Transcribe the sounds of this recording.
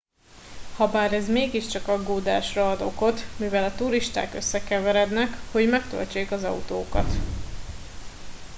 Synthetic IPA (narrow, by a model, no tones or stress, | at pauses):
hɒbaːɾɛzmeːɡiʃt͡ʃɒkɒɡːoːd̪aːʃrɒɒd̪o̞ko̞t̪mivɛlɒt̪uɾiʃt̪a̰ːkøsːɛkɛvɛɾɛd̪nɛkho̞ɟmɛkt̪ø̰lt͡ʃeːkɒzɒ̰ut̪oːkɒ̰t̪